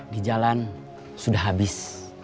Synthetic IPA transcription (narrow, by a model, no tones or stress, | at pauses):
did͡ʒalan | sudaɦabɪs